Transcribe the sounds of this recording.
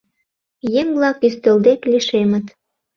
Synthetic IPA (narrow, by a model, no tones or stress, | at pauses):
jeŋblɑkyst̪ø̆ld̪ek̪lʲiʃemə̆t̪